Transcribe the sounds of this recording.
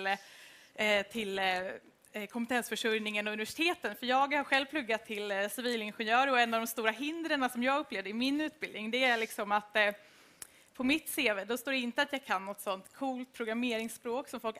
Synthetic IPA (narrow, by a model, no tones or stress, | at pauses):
l | t̪ʰɪl | kʰɔmpət̪ʰɛnsfœʂɵɾjnɪŋənɔɵnɪvæʂɪ̥t̪ʰeːt̪ənfœɾjɑːɡhaɾɧɛlvplɵɡːat̪ʰːɪlsɪviːlɪnɧɛnjœːɾɾɔɛnːavd̪ɔmst̪uːɾaɦɪnd̪ɾəɳasɔmjɑːɡɵpːleːvd̪əɾɪmɪnʉ̟ːt̪̚bɪld̪nɪŋd̪ɛæɾɭɪksɔmat̪ː | pʰɔmɪt̪seːveːd̪ɔst̪oːɖɛɪnt̪əat̪jɑːɡkʰanːɔt̪ːsɔnt̪kʰuːlt̪̚pʰɾʊɡɾameːɾɪŋspɾoːksɔmfɔlk